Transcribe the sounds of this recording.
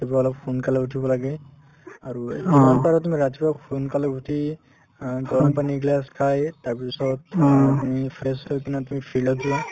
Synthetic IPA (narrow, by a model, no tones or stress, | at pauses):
atibaɔlɔp̚pʰunkalabutʰibɔlaɡɛ | aɹuimanpaɹɔtumiɹatibɔpʰunkalabʱutʰi | ɡɔlapaniɡlaskʰajtaɹpisɔttumipʰɛsɔkinatumipʰilɔzɛ